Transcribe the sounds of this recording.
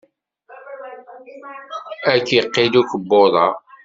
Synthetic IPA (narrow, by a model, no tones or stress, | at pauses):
ækːjqːilukəbːoðˤɑ